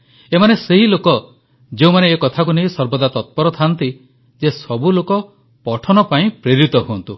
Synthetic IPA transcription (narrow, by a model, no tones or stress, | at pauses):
emaneseɦilokɔ | d͡ʒeũmaneːkɔt̪ʰak̬unejsɔɾbɔd̪at̪ɔt̪̚pɔɾɔt̪ʰant̪i | d͡ʒesɔbulokɔ | pɔʈʰɔnɔpaĩpɾiɾit̪ɔɦuɔnt̪u